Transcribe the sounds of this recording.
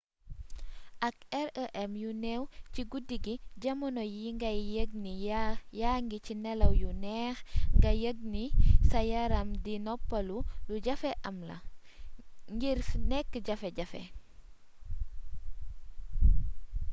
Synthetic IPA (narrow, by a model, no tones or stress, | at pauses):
ʔɐk̚ɛɾəʔɛmjunɛwciɡudiɡiɟɐmɔnɔjiŋɡɐəɡ̚nijaŋɡicinɛlɐwjunɛːxŋɡɐjəɡ̚nisɐjaɾɐmdinɔpːɐluluɟɐfɛʔɐmlɐ̰ | ŋɡiɾfnɛkːɟɐfɛɟɐfɛ̰